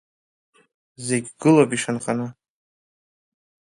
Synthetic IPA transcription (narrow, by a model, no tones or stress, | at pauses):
ze̞ɡʲɡɨlopʼiʂanqʼanɨ